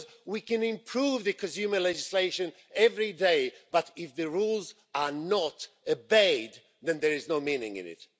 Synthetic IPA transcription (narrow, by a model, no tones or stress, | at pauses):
z | wikɨ̃nɪ̃mpʰɹ̥uvðɨkʰɨ̃ns̬ʉmə˞lɛd͡ʒɨsleɪʃɨ̃n | ɛvɹideɪb̥ʌɾɪfðɨɹulˠz | ə˞nəɾ | ɨbeɪd | ðɨ̃nðə˞ɨznoʊmĩnɪ̰̃ŋɪ̰̃nɪ̰t̚